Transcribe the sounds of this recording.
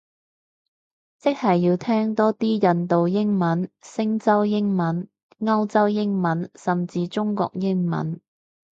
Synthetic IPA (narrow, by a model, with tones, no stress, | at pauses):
t͡sɪ˥k̚hɐ˨jːiː˧wt̪ʰɛː˥ŋt̪ɔː˥t̪iː˥jɐ˨nt̪o˨wjɪ˥ŋmɐ˨˥nsɪ˥ŋt͡sɐ˥wjɪ˥ŋmɐ˨˥n | ŋɐ˥wt͡sɐ˥wjɪ˥ŋmɐ˨˥nsɐ˨mt͡siː˧t͡ʃʊ˥ŋkɔ̰ː˧k̚jɪ˥ŋmɐ̰˨˥n